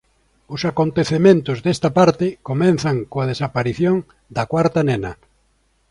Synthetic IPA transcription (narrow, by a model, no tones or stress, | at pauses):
ʊsakont̪eθemẽnt̪ʊzðest̪ɐpaɾt̪ɪkomɛnθɐŋkoað̞esapaɾiθjoŋ | d̪ɐkwaɾt̪ɐnenɐ̰